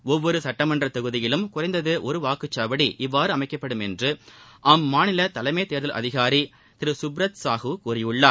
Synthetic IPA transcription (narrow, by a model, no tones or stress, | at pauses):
ɔʋːɔɾɯsɐʈːɐmɐndrɐt̪ɐɣɯðɪjɪlɯmkʊrɐɪnd̪ɐðɯʔɔɾɯʋaːkɯt͡ʃːaːʋɐɽiʔɪʋːaːɾɯɐmɐɪkːɐpːɐɽɯmɛndrɯʔɐmːaːnɪlɐt̪ɐlɐɪmeːt̪eːɾðɐlʔɐ̰ðɪɣaːɾi | t̪ɪɾɯsʊbɾɐt̪saːɣɯkuːrɪjɯɭːaː